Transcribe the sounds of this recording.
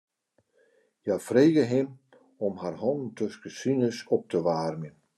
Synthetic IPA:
jafreːɣəɦɪm | ɔmharhɔnn̩tʰøskəsinəsɔp̚təʋaːrmjən

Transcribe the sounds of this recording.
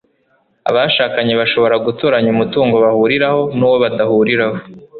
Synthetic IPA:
a̰βaʃaːkaɲeβaʃo̞βo̞ɾaɡutoɾaɲumutuːŋɡo̞βahuɾiɾaho̞nuːwoβadahuɾiɾaho

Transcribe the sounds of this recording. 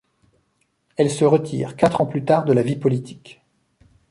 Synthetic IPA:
ɛlsəʁət̪ʰḭːʁkat̪χɑ̃plyt̪aʁd̪əlavipɔlit̪ʰi̥k

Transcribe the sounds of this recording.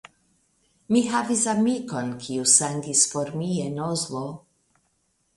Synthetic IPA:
miɦavisamiko̞nkʰiusaŋɡisfoɾmienozlo

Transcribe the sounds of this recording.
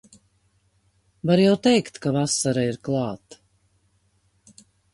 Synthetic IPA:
vaɾjawt̪ɛjkt̪kavasaɾaiɾklˠɑːt̪

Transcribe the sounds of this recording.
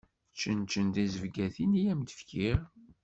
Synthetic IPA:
t͡ʃːənt͡ʃːənd̪izəvɡæθinijæmd̪ə̥fkiɾ

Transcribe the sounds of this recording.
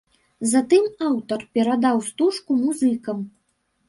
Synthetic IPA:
zat̪ɨmawt̪ɐrpʲɛɾad̪awst̪uʂkumuzɨkɐm

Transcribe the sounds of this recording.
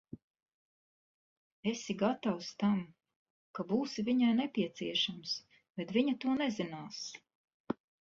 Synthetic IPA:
esiɡat̪awst̪am | kabuːsiviɲajnɛpʲiɛt̪siɛʃams | b̥ɛt̪viɲɐt̪uɔnɛzinaːs

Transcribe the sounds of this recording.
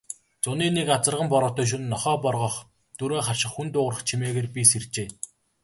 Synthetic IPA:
t͡sʊniːnekat͡sə̆rʁə̆mpɔɾɔːt̪œːʃ̬unːɔχɔːpɔrʁɞ̆χ | t̪uɾoːχarʃɪ̆χxunt̪ʊːrə̆χt͡ɕʰimeːɣeːrpʲisert͡ɕeː

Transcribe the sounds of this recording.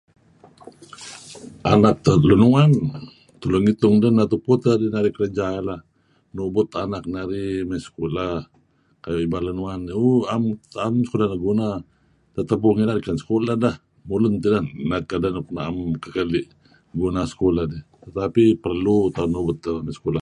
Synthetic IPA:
a̰nak̚t̪alunuŋan | t̪ulʊŋit̪ʊŋdənːat̪uput̪adinaɾikəɾəd͡ʒaalah | nubʊt̪anak̚naɾimasə̥kola | kajibalunuŋanuamamsə̥kulanaɡuna | t̪at̪ap̬uŋinaɾikansə̥kolahdah | mulʊnt̪idanːakadanknaamkakaliʔ | ɡunasə̥kolahdit̪ət̪apipərlut̪anubʊt̪̚ːamasə̥kola

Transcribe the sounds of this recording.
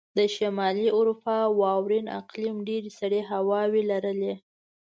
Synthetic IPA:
d̪əʃamɑliʊɾupɑwɑwɾina̰qlimɖeɾesaɽeɦawɑwelaɾəle

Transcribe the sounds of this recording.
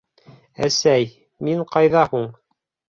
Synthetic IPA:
æ̰sæj | miɴqɑjðɑhuɴ

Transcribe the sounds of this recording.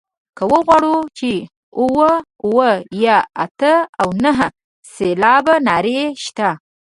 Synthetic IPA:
kəwəɣwɑɽut͡ʃe | uwə | uwəjaa̰t̪əawnəɦə | selɑbanɑɾeʃt̪a

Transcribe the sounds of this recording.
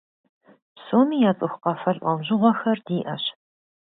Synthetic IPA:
soːmiːjaːt͡sʼɨxʷqɐfɐɮʔʷɐmʑɪʁʷɔxɐrdiːʔɐɕ

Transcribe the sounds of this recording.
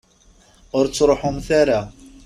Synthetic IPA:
ʊɾt͡sːɾˤoħʊmθaɾa

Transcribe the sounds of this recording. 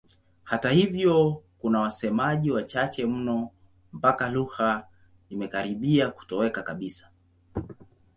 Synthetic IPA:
hatahivjɔkunawasɛmaʄiwat͡ʃat͡ʃɛm̩nɔ | m̩pakaluha | imɛkaɾiɓiaku̥tɔwɛkakaɓisḁ

